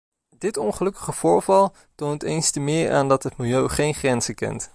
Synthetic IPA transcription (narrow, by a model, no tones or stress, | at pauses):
dɪtɔnχəlɵkə̥χəv̥ʊːɹvɑlˠ | towntejnstəmɪːɹa̰ːndɑtɦətmɪlˠjøɥχejnχrɛnzəkɛ̰nt